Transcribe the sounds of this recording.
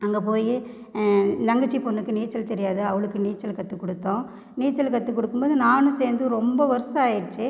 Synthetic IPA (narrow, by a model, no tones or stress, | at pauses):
ɐŋɡɐpoːji | nɐŋɡɐʈt͡ʃːipɔnːɯkːɯniːt͡ʃːɐlt̪ɛɾɪjaːðɯɐʋɐɭɯkːɯniːt͡ʃːɐlkɐt̪ːɯkːɔɽɯt̪ːõː | niːt͡ʃːɐlkɐt̪ːɯkːɔɽɯkːɯmboːðɯnaːnɯ̃seːɾnd̪ɯɾɔmbɐʋɐɾɯsɐaːjɪɾɯt͡ʃːɯ